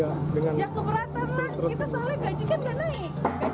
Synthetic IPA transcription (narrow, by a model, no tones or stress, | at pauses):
adəŋanjakəpəɾat̪anlahit̪asalɛhɡad͡ʒikankanaa